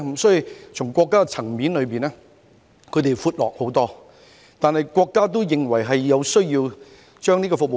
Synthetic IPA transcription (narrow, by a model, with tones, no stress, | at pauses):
m̩˨˩sɔː˥ji˧wt͡sʰʊ˨˩ŋkʷɔː˧kːaː˥kɛ˧t͡sʰɐ˨˩ŋmiː˨˥nlɵ˨˧ɥpiː˨nɛː˥ | kʰɵ˨˧ɥt̪e˨˩fuː˧t̚lɔː˨k̚ho˨˥wt̪ɔː˥ | t̪aː˨˧nhɐ˨jkʷwʷɔː˧kːaː˥t̪̬o˥wjɪ˨ŋwɐ˨˩jɦɐ˨jːɐ˨˧wsɵ˥ɥjiː˧w | t͡ʃœː˥ŋniː˥kɔː˧fʊ˨k̚m˨